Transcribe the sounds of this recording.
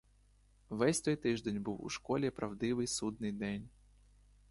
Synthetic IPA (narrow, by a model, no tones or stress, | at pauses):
vɛsʲt̪ɔjt̪ɨʐd̪ʲenʲbɨwṵʂkɔlʲɛpɾɐvd̪ɨvɨjsud̪̚nɨjd̪enʲ